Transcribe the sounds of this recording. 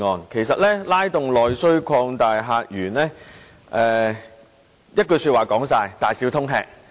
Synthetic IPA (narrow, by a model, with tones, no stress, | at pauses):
ŋɔː˨˧nkʰe˨˩jsɐ˨t̚lɛː˥laː˥jt̪ʊ˨ŋlɔː˨jsɵ˥ɥkʰɔː˧ŋt̪aː˨jɦaː˧k̚jyː˨˩nlɛː˥ | ʔɛː˨˧ | jɐ˥t̚kɵ˧jsyː˧t̚waː˨˩kɔː˨˥ŋsaː˧jt̪aː˨jsiː˨˥wt̪ʰʊ˥ŋɦɛ̰ː˧k̚